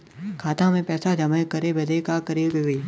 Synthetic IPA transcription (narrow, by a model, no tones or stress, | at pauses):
kʰaːt̪ãmẽpɛːsad͡ʒɐməkəɾebɐd̪ekakəɾebeɡiː